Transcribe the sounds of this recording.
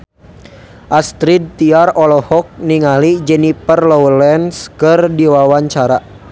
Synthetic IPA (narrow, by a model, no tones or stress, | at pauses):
ʔast̪ɾid̪̚t̪iarɔlɔhɔk̚niŋalid͡ʒɛnipərlɔwlɛnskɨrdiwawaɲt͡ʃaɾa